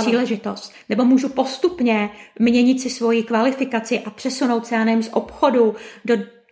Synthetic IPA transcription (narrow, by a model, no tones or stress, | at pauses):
riːlɛʒɪt̪o̞st̪nɛbo̞muːʒupo̞st̪upɲɛmɲɛɲɪt̪sɪsvo̞jɪkvalɪfɪkat͡sɪʔapr̝̥ɛsuno̞wt̪sɛjaːnɛjɛmsʔopxo̞dudo